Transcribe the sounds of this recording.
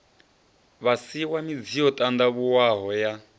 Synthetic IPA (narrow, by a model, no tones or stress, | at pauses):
βasiwamid͡zijɔtʼand̪aβuwaɦɔja